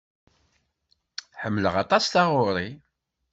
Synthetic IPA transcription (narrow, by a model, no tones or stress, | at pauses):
ħəmːləʁɑt̪ˤɑsθɑʁʊɾˤi